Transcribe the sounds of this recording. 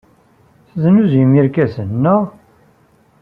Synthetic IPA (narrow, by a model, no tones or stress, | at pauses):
θznuzjəmiɾkæsənːəʁ